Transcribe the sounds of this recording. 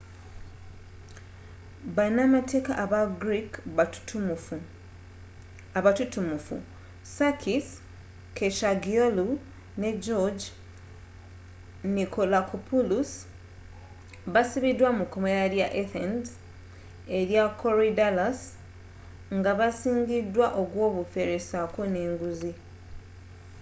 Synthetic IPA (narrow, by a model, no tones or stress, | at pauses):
βanamate̞ːkaʔːβaɡɾik | aβatutumufṵ | sakʰis | kʰeʃaɡiolu | ne̞d͡ʒod͡ʒ | nikʰolakupʰulus | βasiβidwamukomeɾaljaʔeθend | e̞ɾjakʰoɾidalas | ŋɡaβasiːɲɟidːwaʔo̞ɡwo̞ːβufe̞ɾesako̞ne̞ːŋɡuzi